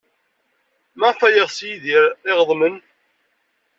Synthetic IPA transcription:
maʁfæjəʁsjiðiɾɪʁəðˤmən

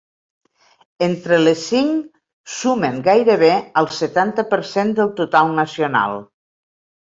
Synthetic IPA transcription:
ent̪ɾəlesiŋ | suməŋɡajɾəβ̞eəlˠsət̪ant̪əpəɾsend̪əlˠt̪ut̪alˠnəsiuna̰lˠ

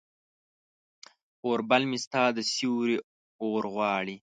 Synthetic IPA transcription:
oːɾbalmist̪ɑːd̪əsiwɾi | oːɾɣwɑːɽi

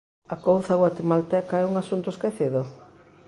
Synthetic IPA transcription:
akowθaɣwat̪emalt̪ɛkaɛuŋasunt̪ʊeskeθiðʊ

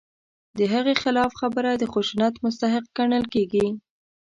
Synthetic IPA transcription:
d̪əɦaɣexɪlɑfxabəɾad̪əxuʃunat̪mʊs̬t̪aɦɪq̚ɡaɳəlkeɡi

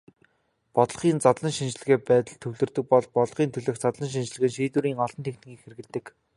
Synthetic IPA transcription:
pɔt̪̆χiːnt͡sat̪ɮə̆ŋʃint͡ɕ̆ɮɘ̆ɣeːpæːt̪ə̆ɮt̪ʰɵwɮɵ̆rt̪ɵ̆k̚pɔɮpɔɮχiːnt̪ʰɵɮɵ̆xt͡sat̪ɮə̆nʃ̬int͡ɕ̆ɮɘ̆ɣɘ̆nʃiːt̪uːɾiːŋɔɮɞ̆nt̪ʰekt̪ɘ̆ŋɡiːkxerɣɘ̆ɮt̪ɘ̆k

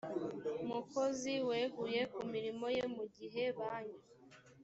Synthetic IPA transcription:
umuko̞ziwe̞ːɡuje̞kumiɾimo̞jemuɟiɦe̞βaːɲu

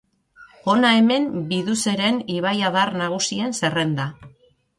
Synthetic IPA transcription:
o̞nae̞me̞mbiðuse̞ɾe̞niβajaðarnaɣ̞usie̞nse̞re̞nd̪a

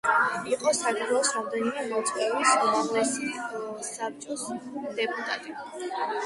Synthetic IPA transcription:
iqʼɔsakʰd̪ʰwɛɔsɾamd̪ɛnimɛmɔt̪sʼwɛbisumallɛsisap̚t͡ʃʼɔsd̪̥ɛpʼut̪ʼat̪ʼi

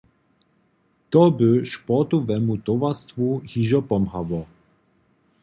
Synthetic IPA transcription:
t̪ɔbəʃpɔt̪ɔvɛmut̪ɔvast̪vuhiʒɔpɔmhavɔ

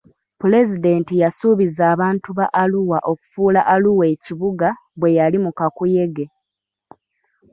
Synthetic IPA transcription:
pule̞zide̞ntijasuβizaːβaːntuβaʔːluwaʔo̞ku̥fuːlaʔaluweciβuɡa | βwe̞jalimukakuje̞ɡe̞

